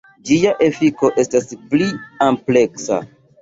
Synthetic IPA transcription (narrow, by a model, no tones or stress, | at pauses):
d͡ʒijaʔe̞fiko̞ʔe̞staspliample̞ksa̰